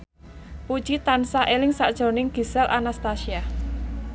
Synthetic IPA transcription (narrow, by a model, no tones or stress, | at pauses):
pud̥ʒ̥it̪ansaʔelɪŋsa̰ʔd̥ʒ̥o̤nɪŋɡ̥i̤sɛlʔa̰nast̪asia